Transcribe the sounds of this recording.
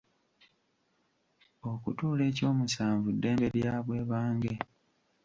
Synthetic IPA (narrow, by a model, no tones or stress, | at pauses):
o̞kutuːle̞ːco̞ːmusaːɱvudːe̞ːmbe̞ɾjaːβwe̞ːβaːŋɡe